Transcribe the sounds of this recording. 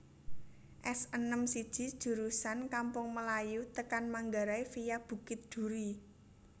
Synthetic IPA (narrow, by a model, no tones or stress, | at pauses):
ʔɛsənəmsid̥ʒ̥i̤d̥ʒ̥ṳɾusankampʊŋməlajut̪əkanmaŋɡaɾaifijab̥ṳkɪt̪̚d̥ṳɾi